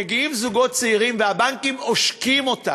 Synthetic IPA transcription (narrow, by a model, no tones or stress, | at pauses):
eɡiimzuɡo̞t̚t͡seiʁimveabaŋkimoʃkimo̞ta̰